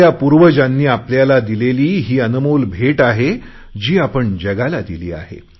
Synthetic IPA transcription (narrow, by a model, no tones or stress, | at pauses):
japuɾʋəd͡ʑanːiːapljalad̪ileliːɦiːənəmuːlbʱeʈaɦe | d͡ʑiːapəɳd͡ʑəɡalad̪ilḭːa̰ɦḛ